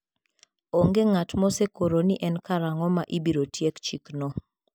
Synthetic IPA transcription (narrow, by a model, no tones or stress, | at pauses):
oŋɡeŋatmɔsekoɾoniʔɛnkaɾaŋɔmaʔibiɾotjekt͡ʃiknɔ